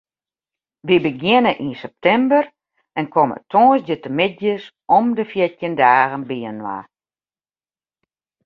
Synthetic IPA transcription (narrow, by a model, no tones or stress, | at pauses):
ʋibəɡjɪnəʔinsɛp̚tʰɛmbər | ɛnkʰomə̰tʰoːsd͡ʒətəmɪt̚jəs | ʔɔmdəfjɪtjəndaːɣənbiənwa̰